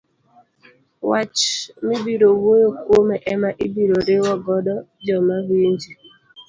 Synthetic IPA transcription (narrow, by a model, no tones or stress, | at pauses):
wat͡ʃmibiɾowojokomeʔɛmaʔibiɾoɾewɔɡɔdɔd͡ʒɔmawind͡ʒi